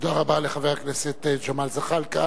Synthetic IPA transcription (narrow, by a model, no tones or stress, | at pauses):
d̪aʁabaleχaveʁakneset̪ed͡ʒomalzaχalka